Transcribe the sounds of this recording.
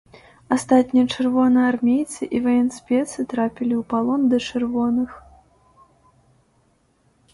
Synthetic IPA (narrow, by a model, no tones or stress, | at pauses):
ast̪at̪ʲnʲijɐt͡ʂɨrvɔnɐjarmʲejt̪sɨʔivɐjɛnsʲpʲɛt̪sɨt̪ɾapʲilʲiwpalˠɔnd̪ɐt͡ʂɨrvɔnɨx